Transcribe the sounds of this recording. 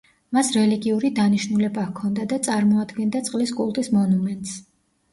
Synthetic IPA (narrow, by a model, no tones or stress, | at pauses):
masɾɛliɡiuɾid̪aniʃnulɛbakʰɔnd̪ad̪at̪sʼaɾmɔad̪ɡɛnd̪at̪sʼqʼliskʼulˠt̪ʼismɔnumɛnt̪ʼs